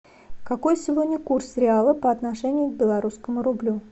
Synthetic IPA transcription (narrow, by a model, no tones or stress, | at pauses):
kɐko̞jsʲɪvod̪ʲnʲəkursɾʲɪalˠəpəɐt̪nɐʂɛnʲɪjʊɡ̚bʲɪlˠɐɾuskəmʊɾʊblʲu